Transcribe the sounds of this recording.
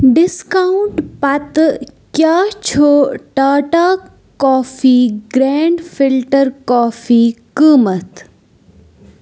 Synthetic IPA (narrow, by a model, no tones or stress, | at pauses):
ɖɪskauɳʈpɐt̪kjaːt͡ʃʰoːʈaːʈaː | kɔːfiːɡɾeːɳɖfilʈəɾkɔːfiːkəːmət̪